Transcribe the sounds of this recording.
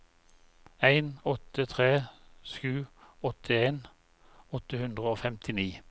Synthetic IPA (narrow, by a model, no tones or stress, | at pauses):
æɪnɔt̪ət̪ʰʁeːsʉːɔt̪ʰəeːn | ɔt̪əhʉnd̪ʁəoːfɛmt̪ʰɪniː